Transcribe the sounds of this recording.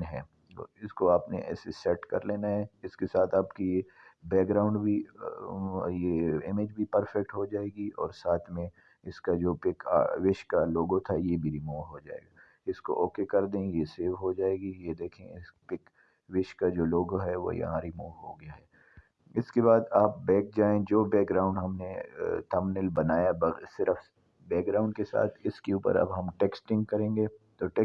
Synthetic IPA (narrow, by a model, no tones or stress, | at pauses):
nɦɛ̰ː | ɪskoaːpnḛʔɛ̰ːsesɛʈkɐ̰ɾleːnaɦɛɪskesaːt̪ʰaːpkijebɛːk̚ɡɾaːʊ̃ɳɖbʱi | jeɪmɪd͡ʒbʱipəɾfɛk̚ʈɦod͡ʒaːeːɡiɔːɾsaːt̪ʰmẽ | ɪskad͡ʒoːpɪka̰ʋɪʃkaloːɡõt̪ʰajebʱiɾimuːʋɦod͡ʒa̰ːḛːɡa | ɪsko̰ʔɔːkekɐɾd̪ẽjeseːʋɦod͡ʒaːeːɡijed̪eːkʰḛ̃ɪspɪk | ʋɪʃkad͡ʒoːloːɡoɦɛʋo̰jɐ̰ɦãɾimuːʋɦoɡɐjaɦɛː | ɪskebaːd̪aːp̚bɛːk̚d͡ʒaːẽd͡ʒoːbɛːkɡɾaːʊ̃ɳɖɦɐmnet̪ʰɐmnɪlbɐnaːjabsɪɾəf | bɛːk̚ɡɾaːʊ̃ɳɖkesa̰ːt̪ʰɪskeuːpə̰ɾɐ̰bɦɐmʈeːksʈɪ̃ŋɡ̚kɐɾẽːŋɡet̪oʈeː